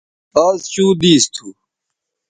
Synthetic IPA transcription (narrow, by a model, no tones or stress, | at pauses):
aːzt͡ɕuːd̪iːst̪ʰuː